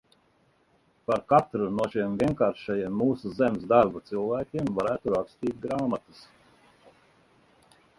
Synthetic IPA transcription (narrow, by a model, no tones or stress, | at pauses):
paɾkat̪ɾunuɔʃimviɛnkaːɾʃajiɛmːuːsuzemsd̪aɾbat̪silˠvæːkʲimvaɾæːt̪uɾakst̪iːt̪̚ʲɡɾaːmat̪u̥s